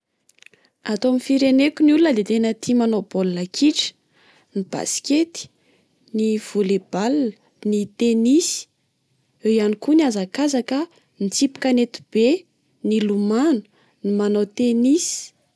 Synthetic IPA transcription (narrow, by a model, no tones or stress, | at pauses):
at̪oamifiɾenekunulunəlet̪enət̪ʰimonopollakʰiʈ͡ʂə̥ | nib̥a̰si̥kʲet̪i̥ | niv̥uleb̥alːə̥ | nit̪enisi̥ | ejanikuniazakazakə | nit͡sipi̥kanet̪u̥b̥e | nilumanu̥ | nimanot̪enisi̥